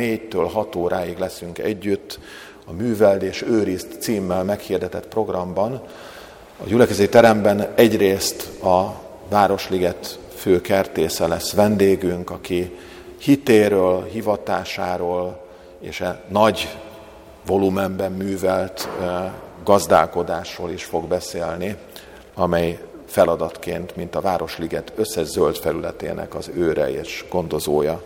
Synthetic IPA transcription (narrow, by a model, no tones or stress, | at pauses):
neːɟt̪øːlɦɒt̪oːɾʔaːjiɡlɛsyŋkɛ̰ɟːyt̪ː | ɒmyːvɛlt̪eːʃøːɾist̪siːmːɛlmɛkhiːrd̪ɛt̪ɛt̪pro̞ɡrɒmbɒn | ɒ̰ɟylɛkɛzɛt̪it̪ɛɾɛmbɛnɛɟreːst̪ɒ | vaːɾo̞ʃliɡɛt̪ | føːkɛrt̪eːsɛlɛsʋɛnd̪eːɡyŋkɒki | hit̪eːɾøːlɦivɒt̪aːʃaːɾoːl | ḛːʃɛnɒɟ | vo̞lumɛmbɛmːyːvɛlt̪ | ɡɒzd̪a̰ːlko̞d̪aːʃroːliʃfo̞ɡbɛseːlni | ɒmɛj | fɛlɒd̪ɒt̪keːnt̪mint̪ɒvaːɾo̞ʃliɡɛt̪ø̞sːɛʒzølt̪fɛɾylɛt̪ḛːnɛ̰kɒzøːɾɛ̰eːʃɡ̥o̞nd̪o̞zoːjɒ